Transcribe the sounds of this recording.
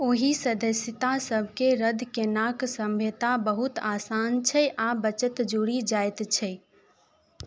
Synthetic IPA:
oːɦisəd̪əsjət̪asəbʱkeɾəd̪ʱkenaksə̃mbʱet̪abəɦut̪aːsant͡ʃʰɛʔabət͡ʃət̪d͡ʒuɽid͡ʒajt̪t͡ʃʰɛ

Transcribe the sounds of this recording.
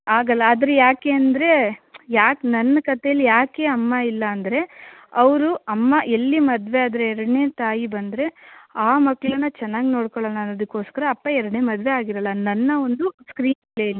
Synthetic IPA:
aːɡɐlːɐːd̪ɐɾejaːkeːɐnd̪ɐɾe̞jaːknɐnːɐkɐt̪ejɐlːijaːke̞ːɐmːɐilːɐːnd̪ɐɾe̞ɐʋɐɾuɐmːaʔe̞lːimɐd̪ʋeaːd̪ɐɾeɛɾɐɽɐne̞ːt̪aːjibɐnd̪ɐɾe̞aːmɐɡɭɐnːɐt͡ʃɛnːaːɡino̞ːɽkɔɭɐlːɐːnːɐd̪ɐkːo̞ːskɐɾɐːpːaɛɾɐɽɐneːmɐd̪ʋeaːɡiɾɐlːɐnɐnːɐo̞nd̪uskɾiːnplejɐlːi

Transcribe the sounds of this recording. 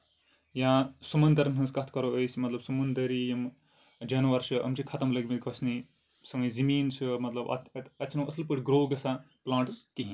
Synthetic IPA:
jãsumɐnd̪ɐɾnɦɨ̃skɐt̪ʰkɐɾoəjsʲmɐt̪lɐbsumɐnd̪ɐɾijim | d͡ʒɐnʋɐɾsʰɨɐ̰mt͡ʃʰikʰɐt̪ɐmlɐɡʲmit̪ɡɐsʰni | sɐŋɐjzimiːnt͡ʃʰɨmɐt̪lɐbɐ̰t̪t̪ɐt̪ːt͡ʃʰnɐɐslpəʈʰʲɡɾoːɡɐsã | plãːɳʈɨzkiɦĩ

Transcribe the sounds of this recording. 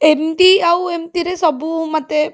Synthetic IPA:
emt̪iawemt̪iɾesəbumat̪e

